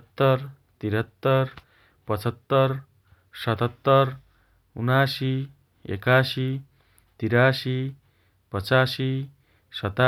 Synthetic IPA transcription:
t̪ːʌr | t̪iɾɦʌt̪ːʌr | pʌt͡sʰʌt̪ːʌr | sʌt̪ʌt̪ːʌr | unasi | ḛkasi | t̪iɾasi | pʌt͡sasi | sʌt̪a

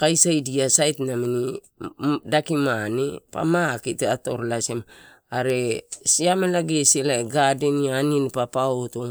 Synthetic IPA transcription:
kajsajdiasajtnamini | dakimanepa̰makiteato̞̰ɾlasem | aɾe̞siamelaɡeselaeɡadenianinpapaoto

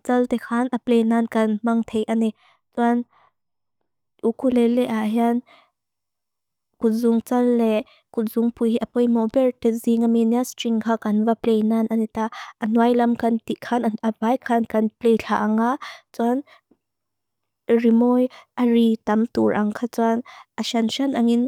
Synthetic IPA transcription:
t͡sɐlt̪ɛkʰaːnʔɐplejnankɐnmɐŋt̪ʰejʔani | t͡suan | ʔukulelɛʔaɦjan | kʊt̪̚zʊŋt͡sɐlːɛ | kʊz̥ʊŋpujhiʔapɔjmɔbɛrtɛziŋaminiastiŋkʰaːkɐnvaplejnanʔɐnit̪aʔɐnuajlɐmkɐnt̪iʔkʰanaabajkʰankɐnplɛjɬʰaʔaŋat͡suan | rimɔjʔarit̪ɐmt̪uɹʔɐŋkʰat͡suanʔaʃanʃanʔaŋin

